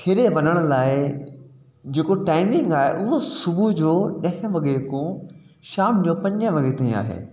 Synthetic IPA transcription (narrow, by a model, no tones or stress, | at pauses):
kʰeɾeʋɐnəɽ̃laːɪ | d͡ʑeːkoʈaːɪmɪ̃ŋɡaːɦḛʔʊɦosʊbud͡ʑoːɗɐ̃ɦɪ̃ʋɐɡekõ | ʃaːmd͡ʑoːpɐ̃ɲd͡ʑə̃ʋɐɡet̪ɐĩa̰ːɦḛː